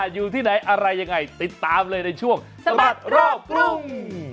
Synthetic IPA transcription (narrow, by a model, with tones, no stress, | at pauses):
a˨˩juː˨˧˩t̪ʰiː˧˩ɗa˨˩jʔa˧ɾa˧jɲa˧˩ŋa˨˩jt̪i˨˩t̪̚t̪aː˧mləː˧jnɗə˧jt͡ɕʰu˧˩əŋsa˨˧˩a˨˩t̚ɾɔː˧˩ʊ˧˩ŋ